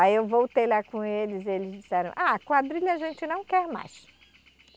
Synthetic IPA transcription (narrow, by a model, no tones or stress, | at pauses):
aiewvowt̪eʎakõelɪzelɪzd͡ʒisɛɾɐ̰̃w̃ʔakwad̪ɾiʎɐʒẽnt͡ʃɪnɐ̃w̃kɛɾma̰js